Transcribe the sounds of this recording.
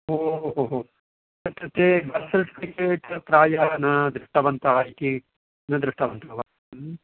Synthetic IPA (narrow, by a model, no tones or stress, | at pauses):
ɦoːɦoɦoɦoː | ɐt̪ɐt̪ebɐsɐlʈkɾikeːʈɐp̪ɾaːjanɐd̪ɾuʂʈɐʋɐnt̪ɐaːjik̪i | nɐd̪ɾuʂʈɐʋɐnt̪ʰɐʋa